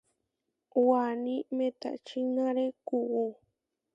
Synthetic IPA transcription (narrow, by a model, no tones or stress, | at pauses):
wanĩmẽt̪a̰t͡ʃinãɾekuu